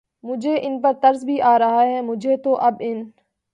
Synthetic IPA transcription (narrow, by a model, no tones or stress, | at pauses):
mʊd͡ʒʱeːʔɪnpɐɾt̪ɐɾzbʱiʔaːɾɐɦaːɦɛːmʊd͡ʒʱet̪oːʔɐbɪn